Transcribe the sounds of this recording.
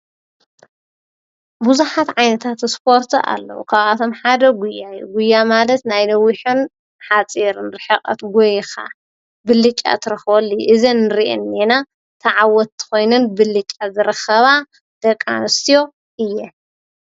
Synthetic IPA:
buzuħat̪ʕajnɐt̪ʰat̪ɨspʰo̞ɾt̪ʰa̰lːɐ̰wṵkʰaβʔat̪ʰo̞mħad̪ɐɡʷujːajːṵɡʊjːamalɐt̪najlɐwːiħɨn | ħat͡sʼiɾnɾɨħɨqʼɐ̰t̪ɡojxa̰ | bɨlːɨt͡ʃʼːa̰t̪ʰɨɾɐxβɐlːɨjʔɨzinːɨɾiʔɛ̰nːena | t̪ʰɐʕawɔt̪ːɨ̥xo̞jnɨnbɨlɨt͡ʃʼːazɨɾɨxɐβa | d̪̥ɐkʼːa̰nɨst̪ʰijo̞ | ʔɨjːɛ

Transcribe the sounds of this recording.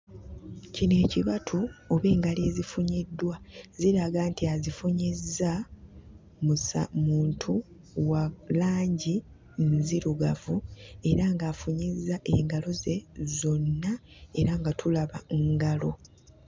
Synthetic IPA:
cine̞ːciβatʰuoβe̞ːŋɡaleːzifuɲedːwaziɾaɡantiazifuɲezːa | musa̰muːntʰu | walaːɲɟi | nziɾuɡavue̞ɾaŋɡaːfuɲizːaʔeŋɡalo̞ze̞zo̞nːae̞ɾaŋɡatʰulaβaŋɡalo̞

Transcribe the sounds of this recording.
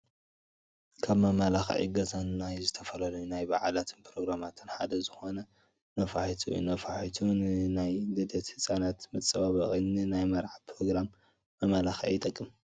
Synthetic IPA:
kʰaβmɐmalaxɐ̰ʔḭɡɐzannajzɨt̪ʰɐfɐlɐlɐjunajbaʕalat̪ʰɨnpʰɾo̞ɡɾamat̪ʰɨnħad̪ɐzɨxo̞nɐ | nɐfaħit̪ʰuj̰nɐfaħit̪ʰunɨnajdɨd̪ɐt̪hɨsʼanat̪mɐt͡sʼːɐβaβɐχʼɨnːɨnajmɐɾʕapʰɾo̞ɡɾamː | ɐmalaxɐ̰ʔjɪt̪ʼɐkʼːɨm

